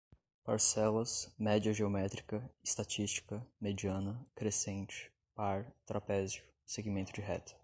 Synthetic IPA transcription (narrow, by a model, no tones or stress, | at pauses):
paɾsɛlɐsmɛd͡ʒiɐʒeomɛt̪ɾikɐɪst̪at͡ʃist͡ʃi̥kɐmed͡ʒiɐ̃nɐkɾesẽnt͡ʃɪ̥ | paɾt̪ɾapɛzjʊ | seɡimẽnt̪ʊd͡ʒɪɦɛt̪ɪ̥